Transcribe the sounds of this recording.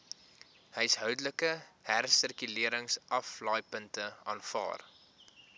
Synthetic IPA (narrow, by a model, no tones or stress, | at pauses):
həjsɦœwdələkəhærsərkyliəɾəŋsʔɐflɑːjpəntəɑːnfɑ̰ːr